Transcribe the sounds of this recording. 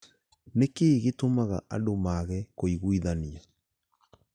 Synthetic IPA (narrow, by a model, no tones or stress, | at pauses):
nekeːɣetomaɣa̰ʔa̰domaɣɛkoiɣuiðania